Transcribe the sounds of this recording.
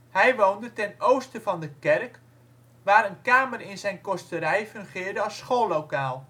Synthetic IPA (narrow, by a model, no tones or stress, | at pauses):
hɛjʋowndətɛnowstəvɑndəkɛrk | ʋaːɾənkaːmərɪnzɛjnkɔstəɾɛjfɵŋχɪːrdəɑsχolowkaːlˠ